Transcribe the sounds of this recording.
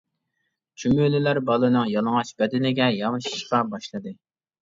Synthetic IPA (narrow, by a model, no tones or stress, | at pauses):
t͡ʃʰymylɪlæɾbɑlˠɨnɨŋjɑlˠɨŋɑt͡ʃbɛd̪ɪnɪɡʲɛjɑmɨʃi̥ʃqɑbɑʃlˠɨd̪ɨ